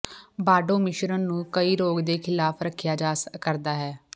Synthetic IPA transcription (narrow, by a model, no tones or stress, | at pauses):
baːɖõːmɪʃɾənːũːkəiːɾoːɡd̪eːkʰɪlaːpʰɾəkʰjaːd͡ʒaːskəɾd̪aːɦɛː